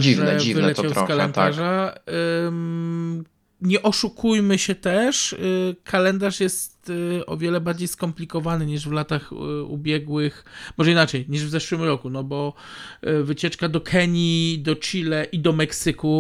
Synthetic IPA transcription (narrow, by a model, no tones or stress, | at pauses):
ivʐɛivɨlɛt͡ɕawskalɛnd̪aʐa | ɲɛʔɔʂukʰujmɘɕɛt̪ɛʂkʰalɛnd̪aʂjɛst̪ɔ̰vʲjɛlɛbaɾd͡ʑejskɔmplʲikɔvanɘɲiʐvlat̪axṵbʲjɛɡwɘxmɔʐɛinat͡ʂɛjɲiʐvzɛʂwɘmɾɔkunɔbɔ | vɘt͡ɕɛt͡ʂkad̪ɔkʰɛɲid̪ɔt͡ʂilɛʔid̪ɔmɛksɘku